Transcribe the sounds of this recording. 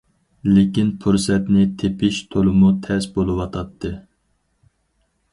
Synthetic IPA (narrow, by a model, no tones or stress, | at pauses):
lekʲinpʰuɾsɛt̪nɪt̪ʰepɪʃt̪ʰolˠɨmut̪ʰɛsbolˠɨwɑt̪ʰɑt̪ʰːɨ